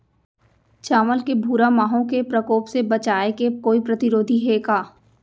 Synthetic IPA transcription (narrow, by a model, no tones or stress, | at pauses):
t͡ʃaːməlkebʱuːɾamaːɦõkepɾəkoːpsebɐt͡ʃaːekekoːipɾət̪ɪɾoːd̪ʱiɦeːkaː